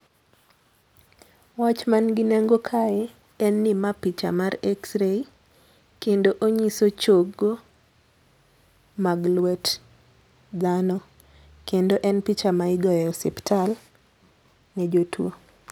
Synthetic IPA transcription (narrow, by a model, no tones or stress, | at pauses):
wat͡ʃmanɡɪnɛŋɡokʰaɛ | ɛnːɪmapit͡ʃa̰marɛksɾei | kendoʔoɲisot͡ʃoɡːo | maɡlwɛt | d̪anɔ | kendoʔɛnpit͡ʃamaɪɡɔjɔsiptʰal | nɛd͡ʒotʰwo̰